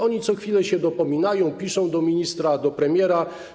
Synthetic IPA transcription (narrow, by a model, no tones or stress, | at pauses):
ɔɲit̪sɔxfʲilɛɕɛd̪ɔpɔmʲinajɔ̃w̃pʲiʂɔ̃w̃d̪ɔmʲiɲist̪ɾad̪ɔpɾɛmʲjɛɾa